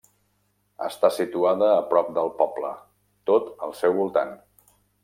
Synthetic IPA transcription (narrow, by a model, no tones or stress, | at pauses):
ə̰st̪asit̪uaðəːpɾɔp̚d̪əlˠpɔblə | t̪ot̪əlˠsɛwβulˠt̪a̰n